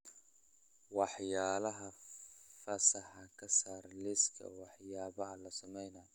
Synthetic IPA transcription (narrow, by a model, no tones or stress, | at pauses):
wɑħjaːlɐɦɐfɐsɐħɑkʰɐsaːrlɪskʰɐ̰wɑħjaːβɐɐlɐsɐmɛjnɐj